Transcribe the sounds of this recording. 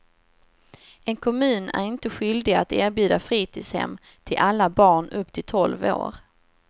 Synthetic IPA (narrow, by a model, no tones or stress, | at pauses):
ɛnkʰɔmʉ̟ːnæ̰ɾɪnt̪əɧʏld̪ɪat̪æːɾbjʉ̟ːd̪afɾiːt̪ʰɪshɛ̰mː | t̪ʰɪlʔalːabɑːɳɵpːt̪ʰɪlt̪ʰɔlvo̰ːɾ